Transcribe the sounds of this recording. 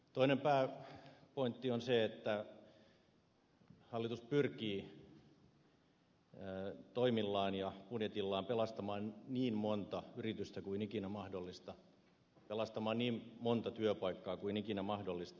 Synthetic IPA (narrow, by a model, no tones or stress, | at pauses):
t̪oinempæːpoint̪ːionseet̪ːæ | hɑlːit̪uspyrkiː | t̪oimilːɑːnjɑpunjet̪ilːɑːmpelɑst̪ɑmɑːnniːmmont̪ɑyrit̪yst̪ækuinikinæmɑhdolːist̪ɑ | pelɑst̪ɑmɑːnniːmmont̪ɑt̪yøpɑikːɑːkuinikinæmɑhdolːist̪ɑ